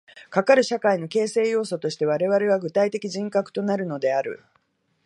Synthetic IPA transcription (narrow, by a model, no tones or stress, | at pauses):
kakaɾɯ̟ɕakaino̞ke̞ːse̞ːjo̞ːso̞t̪o̞ɕi̥t̪e̞β̞aɾe̞βaɾe̞β̞aɡɯ̟t̪ait̪e̞kʲiʑĩŋkakɯ̟̥t̪o̞naɾɯ̟no̞d̪e̞aɾɯ̟̰